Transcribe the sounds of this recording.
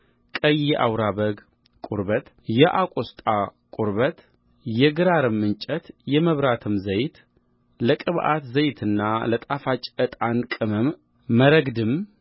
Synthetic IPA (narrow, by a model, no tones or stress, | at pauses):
kʼəjɛʔa̰wɾaβəɡ | kʼuɾβət̪ | jɛʔakʷʼost̪ʼakʼuɾβət̪ | jɛɡɨɾaɾɨmːɨnt͡ʃʼət̪jɛməβɾat̪ʰɨmzəjt̪ | ləkʼɨβʔa̰t̪zəjt̪ʰɨnːalət̪ʼafat͡ʃʼɨt̪ʼankʼɨməmː | əɾəɡd̪ɨm